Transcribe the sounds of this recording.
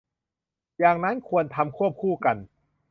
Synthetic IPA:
jaː˨˩ŋna˦˥nkʰu˧ənt̪ʰa˧mkʰu˥˩əp̚kʰuː˥˩ka˧n

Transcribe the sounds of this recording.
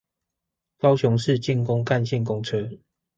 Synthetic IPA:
kɑ˦ʊt͡ɕʰjʊ˧˦ŋʂɻ̩˥˨t͡ɕi˥˨nkʊ˦ŋka˥˨nɕjɛ˥˨nk̬ʊ˦˥ŋt͡sʰɤ˦

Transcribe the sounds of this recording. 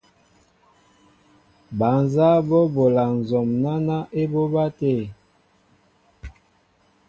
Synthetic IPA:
ba˨nza˦bɔ˦bo˨la˨n̩˨zɔ˨mna˦na˦ʔe˦bo˦ba˦te˦˨

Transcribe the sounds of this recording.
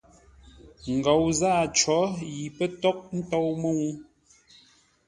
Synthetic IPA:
ŋ̩˨ɡɔ˨wzaː˦˨t͡ʃɔ˨˦ji˨pə˦tɔ˦k̚n̩˦tɔ˦wmə˦ŋu˦

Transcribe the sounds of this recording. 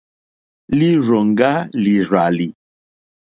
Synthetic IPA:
li˦ɾɔ˨ŋ˦ɡa˦li˨ɾa˨li˨

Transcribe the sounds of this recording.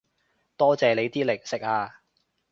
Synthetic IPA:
t̪ɔː˥t͡sɛː˨le˨˧jt̪iː˥lɪ˨˩k̚sɪ˨k̚aː˧

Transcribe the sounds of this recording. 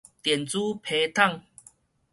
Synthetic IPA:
t̪jɛ˨˩nt͡su˦pʰe˧t̪ʰa˥˨ŋ

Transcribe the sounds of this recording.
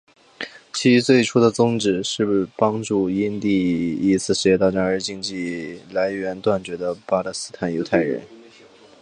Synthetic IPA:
t͡ɕʰi˧˥˧t͡swe˥˩ɪʈ͡ʂʰu˥d̪ə˨t͡sʊ˥ŋʈ͡ʂɻ̩˨˩ʂɻ̩˥˩pɑ˥ŋʈ͡ʂu˥˩i˥nt̪i˥˩i˥t͡sʰɹ̩˥˩ʂɻ̩˧˥jɛ˥˧t̪ɑ˥˩ʊʈ͡ʂɑ˥ŋə˞˧˥t͡ɕi˥˧ŋt͡ɕi˥˩la˧˥ɪɥɛ˧˥nt̪wa˥˩nt͡ɕɥɛ˧˥d̪ə˧pa˥lə˥˩sɹ̩˥t̪ʰa˨˧˩njo˧˥ʊt̪ʰa˥˩ɪɻə̰˧˥n

